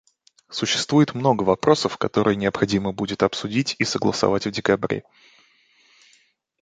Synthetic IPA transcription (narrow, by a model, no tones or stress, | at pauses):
sʊɕːɪ̥st̪vujɪt̪mno̞ɡəvɐpɾʔo̞səfkɐt̪o̞ɾɨjənʲɪəpxɐdʲiməbudʲɪt̪ɐpsʊdʲitʲisəɡlˠəsɐ̰vatʲvdʲɪkɐbɾʲḛ